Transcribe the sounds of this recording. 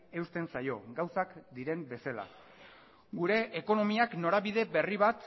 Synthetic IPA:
e̞ust̪e̞nsajo̞ɡawsakd̪iɾe̞mbe̞sala̰ | ɡuɾe̞ʔːko̞no̞miakno̞ɾaβiðe̞βe̞riβ̞at̪

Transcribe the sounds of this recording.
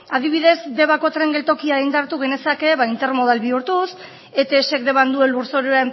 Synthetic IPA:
aðiβ̞iðe̞zd̪e̞βako̞t̪ɾe̞ŋɡelt̪o̞kiajnd̪aɾt̪uɣ̞e̞ne̞sake̞βaint̪e̞ɾmo̞ðalβiuɾt̪us | e̞t̪eʃe̞kd̪e̞βand̪ue̞luɾso̞ɾeam

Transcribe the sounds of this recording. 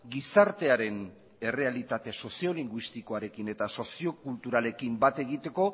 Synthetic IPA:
ɡisaɾt̪e̞aɾe̞n | e̞re̞alit̪at̪e̞so̞sio̞liŋɡwist̪iko̞aɾe̞kine̞t̪aso̞sio̞kult̪uɾale̞kimbat̪e̞ɣ̞it̪e̞ko̞

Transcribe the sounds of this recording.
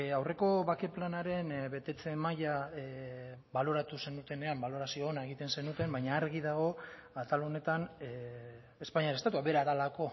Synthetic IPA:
awre̞ko̞βake̞planaɾe̞nβe̞t̪e̞t͡se̞maja | βalo̞ɾat̪use̞nut̪e̞ne̞ambalo̞ɾasioːnae̞ɣit̪e̞nse̞nut̪e̞mbajɲaːɾɣiðaɣ̞o̞at̪alone̞t̪an | espaɲiaɾest̪at̪uaβe̞ɾaðalako̞

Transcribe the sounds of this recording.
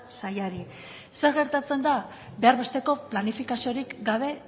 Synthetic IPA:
sajaɾi | se̞ɾɣe̞ɾt̪at͡se̞nd̪a | be̞aɾβe̞st̪e̞ko̞planifikasio̞ɾikɡaβ̞e̞

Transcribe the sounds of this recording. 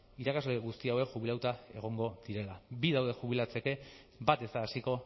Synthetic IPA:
iɾakazloɣust̪iawe̞kʝuβilawt̪ae̞ɣ̞o̞ŋɡo̞ðiɾe̞labiðawðe̞xuβ̞ilat͡se̞ke̞ | bat̪esaːsiko̞

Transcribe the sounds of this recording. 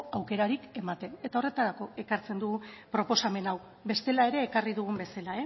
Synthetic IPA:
awke̞ɾaɾike̞mat̪e̞ne̞t̪ao̞re̞t̪aɾako̞e̞kaɾt͡se̞nd̪uɣupɾo̞po̞same̞naw | be̞st̪e̞lae̞ɾe̞ːkariðuɣ̞umbe̞salae

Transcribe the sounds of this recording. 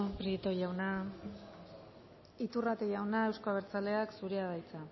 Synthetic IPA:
pɾit̪ojawna | it̪urat̪ejawnae̞wskaβ̞eɾt͡sale̞aksuɾiaβajt͡sa

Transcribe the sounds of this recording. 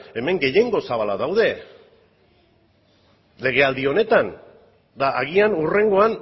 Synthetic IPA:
e̞me̞ŋɡe̞je̞ŋɡo̞saβalaðawðe̞ | le̞ɣ̞e̞ald̪io̞ne̞t̪an | d̪aʔaɣianure̞ŋɡo̞an

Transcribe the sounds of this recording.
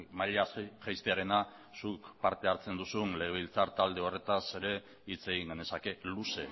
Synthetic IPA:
maʎaʝajst̪eaɾe̞na | sukpaɾt̪e̞aɾt͡se̞nd̪usunle̞ɣeβilt͡saɾt̪ald̪e̞o̞re̞t̪ase̞ɾe̞ | it͡se̞ɣiŋɡane̞sake̞luse̞

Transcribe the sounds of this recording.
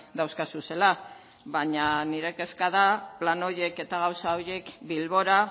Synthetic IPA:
d̪awskasuse̞la | βaɲaniɾe̞ke̞skaðaplano̞ɾje̞ke̞t̪aɣ̞awsaoɾje̞kbilβo̞ɾa

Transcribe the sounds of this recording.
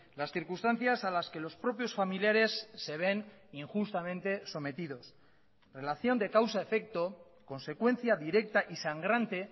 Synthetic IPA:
lasθiɾkust̪an̟θjasalaske̞lo̞spɾo̞pjo̞sfamiljaɾe̞sːe̞β̞e̞niŋxust̪amẽ̞nt̪e̞so̞me̞t̪ið̞o̞s | re̞laθjo̞nd̪e̞kawsaefe̞k̚t̪o̞ | ko̞nse̞kwe̞nθjaðiɾe̞k̚t̪aʔisaŋɡɾant̪e̞

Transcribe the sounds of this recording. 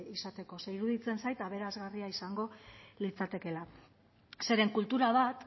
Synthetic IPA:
isat̪e̞ko̞seiɾuðit͡se̞nsajt̪aβ̞e̞ɾazɣariaisaŋɡo̞lit͡sat̪e̞ke̞la | se̞ɾeŋkult̪uɾaβ̞at̪

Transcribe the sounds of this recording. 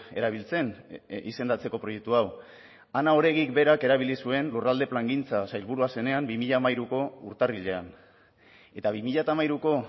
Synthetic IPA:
e̞ɾaβ̞ilt͡se̞nḭse̞nd̪at͡se̞ko̞pɾo̞je̞k̚t̪uaw | anao̞ɾe̞ɣikbe̞ɾake̞ɾaβ̞ilisue̞nlurald̪e̞plaŋɡint͡sasajlβuɾuase̞ne̞ambimiʎamajɾuko̞ṵɾt̪ariʎe̞an | e̞t̪aβimiʎat̪amajɾuko̞

